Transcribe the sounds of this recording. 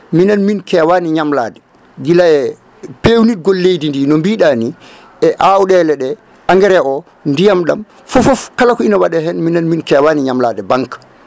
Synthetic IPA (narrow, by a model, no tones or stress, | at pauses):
minanminkɛːwaːniɲamla̰ːdɛ | ɡilaɛ | pewnit̚ɡɔlːejdindiːnɔmbiːɗaːni | ʔɛʔawɗɛlɛɗɛ | ʔaŋɡɛɾɛʔɔ | ndijamɗam | fɔfɔfkalakɔinawaɗɛɦɛnminanminkɛwaːniɲamlaːdɛbaŋkḁ